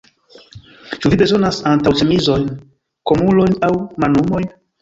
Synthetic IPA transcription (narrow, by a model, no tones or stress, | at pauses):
t͡ʃuvibe̞zo̞nasantawt͡ʃemizo̞jn | ko̞mulo̞jnawmanumo̞jn